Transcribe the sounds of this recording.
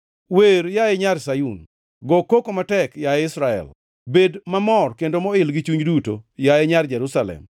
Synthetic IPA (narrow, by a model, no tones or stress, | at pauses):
weɾjaɛɲaɾsajun | ɡɔkokomatɛkjaɛɪsɾaɛ̰l | bedmamɔrkendomɔɪlɡɪt͡ʃuɲduto̰jaɛɲard͡ʒɛɾusalɛ̰m